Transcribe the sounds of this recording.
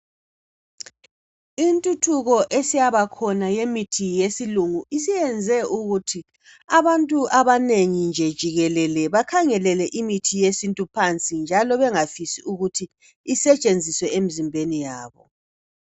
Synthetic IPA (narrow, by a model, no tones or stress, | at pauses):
intʼutʰuɣɔʔesijaβakʰɔnajemitʰijesiluŋuʔisijɛnd͡zʱɛʔuɣutʰi | aβantʼuʔaβaneŋind͡ʒʱɛd̥ʒ̥ʱiɣɛlɛlɛβakʰaŋɛlɛlɛʔimitʰijesintʼupʰant͡sʼind͡ʒʱalɔβɛŋafisiuɣutʰiː | sɛt͡ʃʼend͡zʱiswɛem̩zimbʱenijaːβɔ̰